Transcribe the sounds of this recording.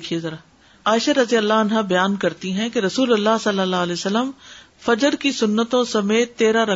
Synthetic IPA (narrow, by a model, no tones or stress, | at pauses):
kʰiezɐɾaː | aːɪʃaɾɐzijəlːaɐnɦabɐjaːnkɐɾt̪iɦɛ̃keɾɐsuːlɐlːasɐlːəlːaːɦleːsɐlːəm | fɐd͡ʒəɾkisʊnːət̪õsɐmeːt̪ːeːɾaɾɐ